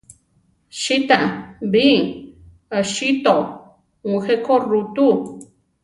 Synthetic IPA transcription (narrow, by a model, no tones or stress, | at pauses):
ʃit̪abi | aʃit̪o | ŋxekorut̪u